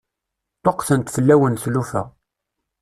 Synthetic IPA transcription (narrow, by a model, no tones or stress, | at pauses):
t̪ˤːoqθənt̪fəlːæwənθlufæ̰